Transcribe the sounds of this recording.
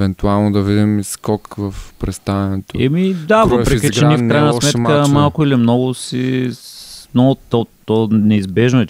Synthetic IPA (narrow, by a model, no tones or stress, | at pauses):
vɛnt̪ualˠnod̪ɐvid̪imiskɔkvɐfpɾɛst̪avɛnɛt̪oɛmid̪avəpɾɛkʲit͡ʃɛnifkkɾajnɐsmɛt̪kəmalˠkʊilimnɔɡʊsi | mnɔɡʊt̪ɔt̪ɔnɛizbɛʒnoɛ